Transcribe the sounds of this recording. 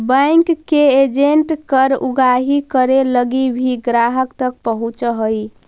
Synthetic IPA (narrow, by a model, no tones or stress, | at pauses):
bə̃jŋkkːeed͡ʒeɳʈkəɾuɡaɦikəɾeləɡibʱiɡɾaɦəkt̪ək̚pəɦũt͡ʃɦəj